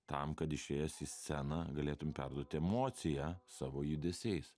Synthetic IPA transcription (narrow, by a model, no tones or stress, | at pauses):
t̪ɐmkɐt̪ɪʃʲeːjɛsisʲsʲɛnɑɡɐlʲeːt̪ʊmʲpʲæɾd̪uɔt̪ʲɪɛmoːt̪sʲɪjɛsɑːʋoːjʊd̪ʲɛsʲɛɪs